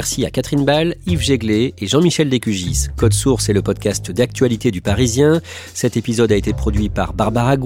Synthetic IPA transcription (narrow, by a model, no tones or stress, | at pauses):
ɛʁsia̰kat̪χinbalivʒeɡleeʒɑ̃miʃɛld̪ekʲyʒiskɔd̪suʁsɛləpɔd̪kʲast̪d̪ak̚t̪ɥalit̪ed̪ypaʁizjɛ̃ | sɛt̪epizɔd̪aet̪epχɔd̪ɥipaʁbaʁbaʁaɡ